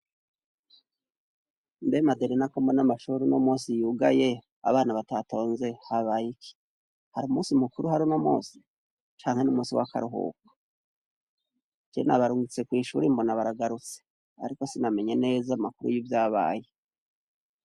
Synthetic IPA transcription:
nbemadeɾenakombonamaʃuɾinomuːsijuɡaje̞ | a̰βaːnaβatatʰo̞ːnze̞haβajikʰi̥ | haɾuːmusimukuɾuɦaɾunomṵːsi̥ | t͡ʃaːŋhe̞numuːsiwa̰ka̰ɾuɦṵːkḁ | kiena̰βaɾuːŋɡut͡se̞kwiːʃuɾimbo̞naβaɾaɡaɾut͡se̥ | a̰ɾiko̞siname̞ɲe̞ne̞ːzamakuɾṵjivjaːβa̰ːje

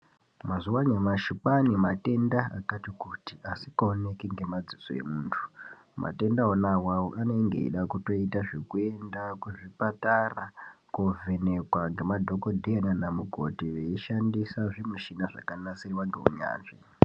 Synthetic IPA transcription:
mazuwaɲemaʃupanimate̞ndaa̰katikutiasikaone̞kiŋɡe̞mad͡ziso̰e̞̰muːntʰu̥ | mʔa̰te̞ndaonawaoʔano̞iŋɡḛḭɗakuto̞itaʐe̞kue̞ndakuʐipatarakovʱene̞kwaŋɡe̞madʱo̞kodʱeananamuɡʱo̞̰tiʋeiʃandisaʐimuʃinaʐa̰kanasiriwaŋɡḛṵɲa̰ːnʐḛ

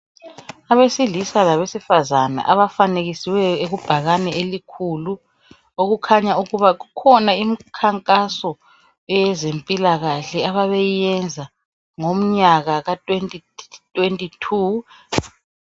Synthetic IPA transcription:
aβesilisalaβesifazana̰ʔaβafaneɣisiwɛeɣub̥ʱaɣanɛelikʰulu | oɣukʰaɲauɣuβaɣukʰɔnaim̩kʰaŋkʼasɔ | ɛjɛzempʼilaɣaɬɛaβaβejijɛnd͡zʱa | ŋom̩ɲaɣaɣatʼwentʼitʼwentʼitʰu

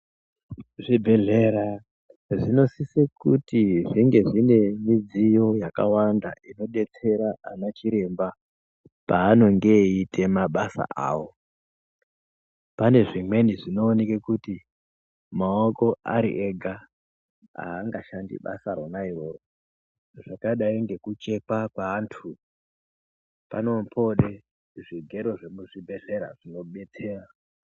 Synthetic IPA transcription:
ʐibʱe̞ɮe̞ɾa | ʐino̞sisekutiʐiŋɡe̞ʐine̞mid͡zijo̞jaka̰wanda̰ʔino̞ɗe̞t͡se̞ɾaanat͡ʃiɾe̞mba | paːno̞ŋɡe̞itʰe̞maɓasa̰ʔa̰ːwo | pane̞ʐimwe̞niʐino̞ːnekekuti | maoko̞a̰ɾḭʔeɡʱa | a̰ːŋɡaʃandḭɓa̰saɾonairo̞ro | ʐ̥akaɗaiŋɡekut͡ʃe̞kwakwaːntʰu | pa̰no̞mpʰo̞ɗe | ʐiɡʱe̞ɾo̞ʐemuʐibʱe̞ze̞ɾaʐ̥ino̞ɓe̞t͡se̞ːra

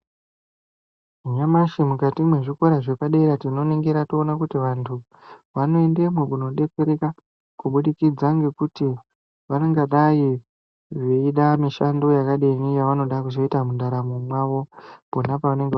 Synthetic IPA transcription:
ɲamaʃemukatimwe̞ʐiko̞ɾaʐepaɗeɾatino̞neŋɡeɾatoonakutiʋantʰu | ʋano̞e̞nde̞mwekuno̞ɗe̞peɾeka | kuɓuɗikid͡zaŋɡe̞kuti | ʋaneŋɡaɗai | ʐeiɗamiʃando̞jakaɗenijaʋano̞ɗakuʃoitamundaɾamumwaʋo̞ponapaʋane̞ŋɡe

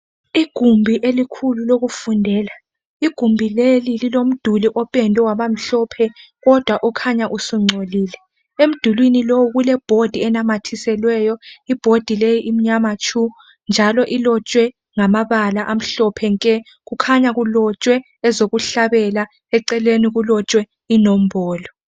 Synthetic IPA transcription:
iɡ̥ʱumbʱiʔelikʰululoɣufundʱɛːla | iɡ̥ʱumbʱilelililom̩d̥ʱuliʔɔpʼɛndʱʼɛwaβam̩ɬɔpʰɛ | ɣɔd̥ʱwaʔɔkʰaɲaʔusuŋ͡ǀʱoliːlɛ | em̩d̥ʱulwinilowuɣulɛb̥ʱod̥ʱiɛnamatʰisɛlwɛjɔib̥ʱod̥ʱilejiʔim̩ɲamat͡ʃʰʼu | nd͡ʒʱalɔʔilɔt͡ʃʼwɛ | ŋamaβalaʔam̩ɬɔpʰɛŋkʼɛ | ɣukʰaɲaɣulɔt͡ʃʼwɛ | ɛzoɣuɬaβɛla | ɛǀɛleniɣulɔt͡ʃʼwɛ | inom̩bɔːlɔ

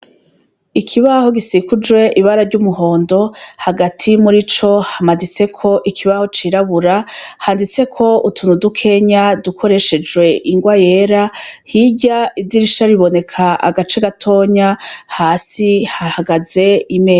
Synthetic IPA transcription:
ikʰiβaho̞ɡisikud͡ʒwe̞ʔiβaɾaɾɟuːmuɦo̞ːndo̞haɡatʰimuɾit͡ʃo̞hamadit͡se̞kʰo̞ʔikʰiβaho̞t͡ʃiɾaβuɾahaːndit͡se̞kʰo̞utʰunudukʰe̞ɲadukʰo̞ɾe̞ʃe̞d͡ʒɡwe̞ʔiŋɡwaje̞ːɾahiɟaidiɾiʃaɾiβo̞ne̞kʰaa̰ɡat͡ʃe̞ɡatʰo̞ːɲahaːsihahaɡaze̞imeː

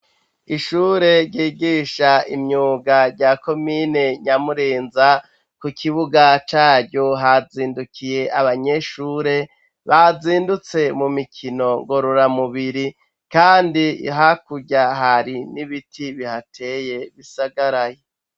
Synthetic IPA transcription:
iʃuːɾe̞ɾɟiːɡiʃaimɲuːɡaɾɟako̞mine̞ɲamuɾeːnza | kukʰiβuɡat͡ʃaːɾɟoɦaziːndukʰije̞ʔaβaɲe̞ʃuːɾe̞ | βaziːndut͡se̞mumikʰino̞ŋɡo̞ɾoɾamuβiɾi | kaːndḭɦakuɟaɦaɾiniβitʰiβihatʰe̞je̞βisaɡaɾaje

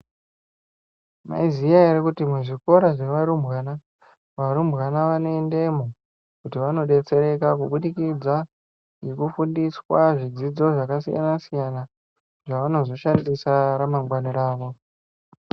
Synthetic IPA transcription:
ma̰izijaaɾikutimweʐiko̞ɾaʐeʋaɾumbɣana | ʋaɾumbɣanaʋane̞nde̞mo | kutiʋano̞ɗe̞t͡se̞ɾe̞kakuɓuɗikid͡za | jekufundiswaʐid͡zid͡zo̞ʐakasija̰nasijana | ʐaʋano̞zo̞ʃandisaɾamaŋɡwaniɾaːʋo̞

